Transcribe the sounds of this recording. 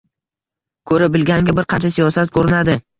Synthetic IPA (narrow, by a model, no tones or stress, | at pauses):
kʰɵɾɪbɪlɡʲanɪɡʲabɪɾqʰɑnt͡ʃʰasijɒsat̪̚kʰɵɾɪnad̪ɪ